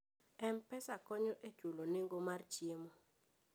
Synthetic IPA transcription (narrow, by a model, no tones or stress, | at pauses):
ɛm̩pɛsakʰɔɲɔʔed̥ʒ̥ʱulɔniŋɡɔmart͡ʃimɔ